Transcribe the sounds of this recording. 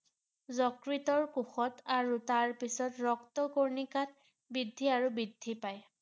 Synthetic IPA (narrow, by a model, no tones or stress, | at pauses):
zɔkɹitɔɹkuxɔtaɹutaɹpisɔtɹɔk̚tɔkoɹnikat̚ | bidʱːiaɹubidʱːipaj